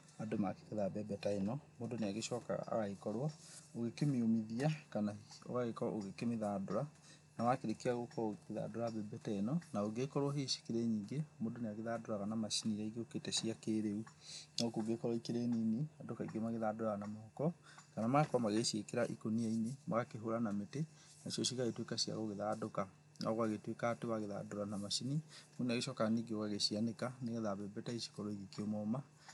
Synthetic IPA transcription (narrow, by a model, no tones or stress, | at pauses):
adomake̥keðabɛbɛtaenɔmodoneaɣeʃɔka̰a̰ɣaekɔɾwɔoɣekemeomiðiakanao̰ɣaɣekɔ̰ʔoɣekemeðadoɾa | namakeɾekeaɣokɔoɣekeða̰ːdoɾabɛbɛtaenɔnaoɡekɔɾwɔɦeʃe̥keɾɛɲiːŋɡemodoneaɣeðadoɾaɣanamaʃiniɾaiɡeoketɛɕiakeːɾeunaokoɡekɔɾɔikeɾɛnineadokaiɡomaɣeðadoɾaɣanamɔkɔ | kanamaɣakwamaɣeʃekeɾaʔḭkoniainema̰ɣakeɦoɾanamete | naʃiɔʃiɣaɣetwekaɕia̰ɣoɣeðaːdoka | na̰ɣwaɣetwekaːtewaɣeða̰doɾanamaʃinimuneaɣeʃɔkaniɡeoɣaɣeɕianekaneɣeðaβɛbɛtaiʃi̥kɔɾɔiɣikiomɔma